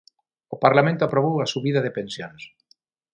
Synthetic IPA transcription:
opaɾlamẽnt̪oapɾoβ̞owasuβiðaðɪpensjons

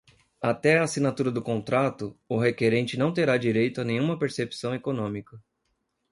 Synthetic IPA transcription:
at̪ɛaːsinat̪uɾɐd̪ʊkõnt̪ɾat̪ʊʊɦekeɾẽnt͡ʃɪnɐ̃w̃t̪eɾad͡ʒiɾejt̪ʊanẽj̃ɲ̃ũmɐpeɾsepsɐ̃w̃ekonõmikɐ

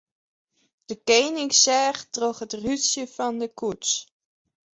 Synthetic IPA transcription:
d̥əkejnɪŋksɛːχtroχɦətrysjəfɑndəkuts

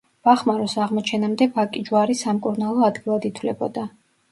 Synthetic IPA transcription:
v̥aχmaɾɔsaʁmɔt͡ʃʰɛnamd̪ɛvakʼid͡ʒwaɾisamkʼuɾnalˠɔad̪ɡilˠad̪it̪ʰvlɛbɔ̰d̪a

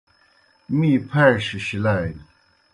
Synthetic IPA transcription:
mipʰaʂiɕilaɪ

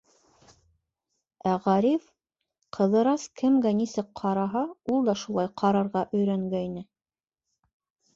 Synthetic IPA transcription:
æʁɑɾif | qʰɤ̆ðɤ̆ɾɑskɘ̆mɡænisɘk̚qʰɑɾɑɦɑulˠd̪ɑʃulˠɑjqʰɑɾɑɾʁɑʔɵ̆jɾæŋɡæjnɘ

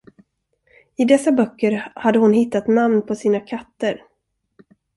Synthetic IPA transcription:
ɪd̪ɛsːabœkːəɾhad̪ːəhʊnhɪt̪ːat̪namnpʰɔsiːnakʰat̪ːəɾ

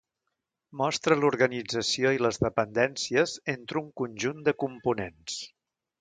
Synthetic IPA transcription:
mɔst̪ɾəluɾɣənid͡zəsioiləzðəpənd̪ɛnsiəzent̪ɾuŋkunʲʒund̪əkumpunens

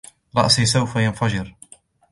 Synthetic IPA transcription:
ɾˤɑ̰ʔsiːsawfajanfad͡ʒɪɾ

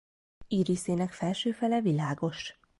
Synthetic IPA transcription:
iːɾiseːnɛkfɛlʃøːfɛlɛvilaːɡo̞ʃ

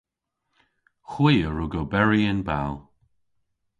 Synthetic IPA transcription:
xwiːəɹʊɡobɛɹiɪnba̰lˠ

